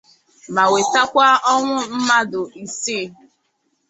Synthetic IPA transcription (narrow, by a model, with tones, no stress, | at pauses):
ma˨we˨ta˦kʷa˦ɔ˦ŋʷʊ˦m̩˦ma˦dʊ˨i˨si˦˨